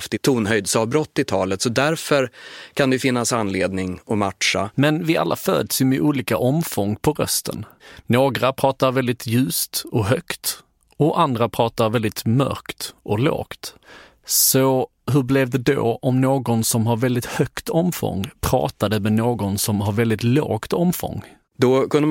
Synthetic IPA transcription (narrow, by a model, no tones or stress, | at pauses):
ft̪ɪt̪ʰuːnɦœjd̪sɑbɾɔt̪ːɪt̪ʰɑːlət̪sɔd̪æɾfœɾkʰand̪ɛjʏfɪnːasanːleːd̪nɪŋɔmaʈ̪ʂa̰mɛnvɪa̰lːa̰fø̰ːd̪əsjɵmɛʔuːliːkaʔɔmfɔŋːpʰɔɾœ̰st̪ʰə̰nnoːɡɾapʰɾɑːt̪aɾvɛld̪ɪt̪ʰjʉ̟ːst̪ɔɦœkt̪ | ɔʔand̪ɾapʰɾɑːt̪aɾvɛld̪ɪt̪mœ̰ɾkt̪ʔɔlo̰ːkt̪ | sɔ | ɦɵɾblɛvd̪ɛd̪o̰ʔɔmnoːɡɔnsɔmɦaɾvɛld̪ɪt̪hœkt̪ʰɔmfɔ̰ŋːpʰɾɑ̰ːt̪ad̪əmɛnoːɡɔnsɔmɦaɾvɛld̪ɪt̪lo̰ːɡt̪ɔmfɔ̰ŋː | d̪ɔkɵnə